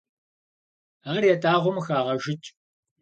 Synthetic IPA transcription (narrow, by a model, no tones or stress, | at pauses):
aːrjɛtʰʼaːʁʷʊmxaːʁɐʒɪt͡ʃʼ